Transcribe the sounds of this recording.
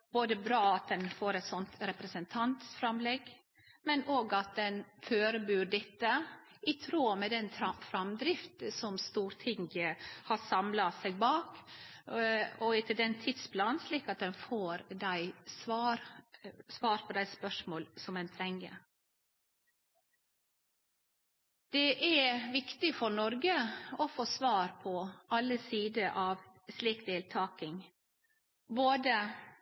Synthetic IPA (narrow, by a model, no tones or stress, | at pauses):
b̥oːd̪əbɾɑːɑt̪̚d̪ɛnfoːɾɛɪt̪sɔnt̪ɾɛpɾəsənt̪ʰɑnt̪sfɾɑmlɛɡ | mɛnoːɡɑt̪̚d̪ɛnføːɾəbʉːɖɛt̪ːə | ɪt̪ʰɾuːmɛd̪ɛntʰɾɑfɾɑmd̪ɾɪft̪sɔmst̪uːɾt̪ʰɪŋɡəhɑsɑmlɑsæɪɡ̚bɑːk | ɔɪt̪əld̪ɛnt̪ʰɪd̪splɑːnsliːkɑt̪̚d̪ɛnfoːɾd̪æɪsʋɑːɾsʋɑːɾpʰɔd̪æɪspœʂmoːlsɔmɛnt̪ʰɾɛŋːə̰ | d̪̥ɛʔæʋɪkt̪ɪfɔɾnɔɾɡəɔfoːsʋɑːɾpʰɔɑlːəsiːd̪əʔɑːʋsliːkd̪eːlt̪ʰɑːkɪŋ | boːd̪ə